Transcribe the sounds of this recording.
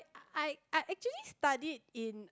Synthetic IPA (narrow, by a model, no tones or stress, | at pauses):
aɪaɪʔɛk̚t͡ʃuəlistadid̚ĩn